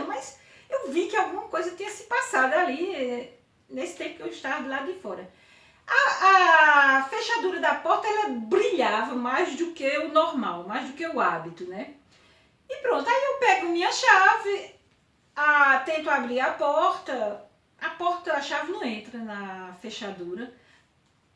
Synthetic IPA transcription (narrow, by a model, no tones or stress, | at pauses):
mɐzewvikɪawɡũmɐkojzɐt̪ĩɲɐsɪ̥pasad̪ʊaliɛ | nesɪt̪ẽpʊ̥kɪewɪʃt̪avɐd̪ɪlad̪ʊd̪ɪfɔɾɐ | aː | feʃad̪uɾɐd̪ɐpɔɾt̪ɐɛlɐbɾiʎavɐmajzd̪ʊkeʊnɔɾmawmajzd̪ʊkeʊabit̪ʊnɛ | ɪpɾõnt̪ʊaiewpɛɡʊɐmĩɲɐʃavɪ | at̪ẽnt̪ʊabɾiɾɐpɔɾt̪ɐː | pɔɾt̪ɐːʃavɪnɐ̃w̃ẽnt̪ɾɐnɐfeʃad̪uɾɐ